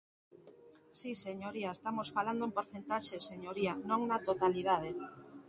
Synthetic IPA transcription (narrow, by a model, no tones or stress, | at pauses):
siseɲoɾiaest̪amosfaland̪oẽmpoɾθent̪aʃeseɲoɾianõŋnat̪ot̪aliðað̞e